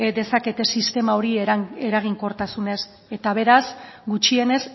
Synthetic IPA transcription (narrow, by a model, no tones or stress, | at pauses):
d̪e̞sake̞t̪e̞sist̪e̞mao̞ɾie̞ɾaɣ̞iŋko̞ɾt̪asune̞s | e̞t̪aβ̞e̞ɾasɡut͡ʃie̞ne̞s